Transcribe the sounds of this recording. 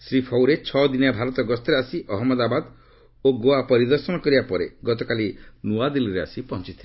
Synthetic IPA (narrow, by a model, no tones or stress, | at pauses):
sɾipʰɔwɾet͡ʃʰɔd̪inabʱaɾɔt̪ɔɡɔst̪eɾeasiʔɔɦɔmːɔd̪abad̪ | oɡoapɔɾid̪ɔɾsɔnɔkɔɾibapɔɾeɡɔt̪̬ɔkalinuad̪iliɾea̰sipɔɦɔ̃t͡ʃit̪ʰile